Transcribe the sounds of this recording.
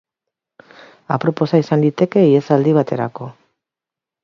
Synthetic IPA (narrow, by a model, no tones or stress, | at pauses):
a̰pɾo̞po̞saisand̪it̪e̞ke̞iesald̪iβ̞at̪e̞ɾa̰ko̞